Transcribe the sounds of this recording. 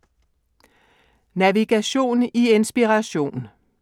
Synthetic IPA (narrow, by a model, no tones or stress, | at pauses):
næʋiɡ̥æɕo̝̰ːnie̝nsb̥iʁɑɕo̝̰ːn